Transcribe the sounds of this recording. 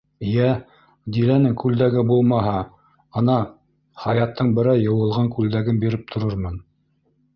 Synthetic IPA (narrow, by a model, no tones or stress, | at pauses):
jæ | d̪ilænɘŋkʉld̪æɡɘbulˠmɑɦɑ | ɤ̆nɑ | χɑjɑt̪ːɤɴbɘ̆ɾɑjɤ̆wɤ̆lˠʁɑŋkʉld̪æɡɘnbiɾɘp̚t̪ʰŏɾɤɾmɤn